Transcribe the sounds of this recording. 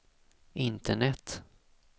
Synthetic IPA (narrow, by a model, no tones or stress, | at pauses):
ɪnt̪ʰəɳɛt̪